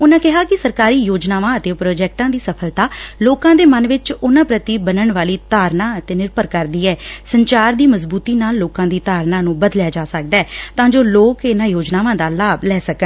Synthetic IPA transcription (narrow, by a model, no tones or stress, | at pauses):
ʊnãːkɪɦaːkɪsəɾkaːɾiːjoːd͡ʒnaːʋãːət̪eːpɾoːd͡ʒɛːk̚ʈãːd̪iːsəpʰəlt̪aːloːkãːd̪eːmənʋɪt͡ʃʊnãːpɾət̪iːbənəɳʋaːliːt̪aːɾnãːət̪eːnɪɾpəɾkəɾd̪iːɛːsəɲt͡ʃaːɾd̪iːməzbuːt̪iːnaːlːoːkãːd̪iːt̪aːɾnãːnũːbəd̪ljaːd͡ʒaːsək̚d̪aːɛːt̪ãːd͡ʒoːloːkɪnãːjoːd͡ʒnaːʋãːd̪aːlaːblɛːsəkə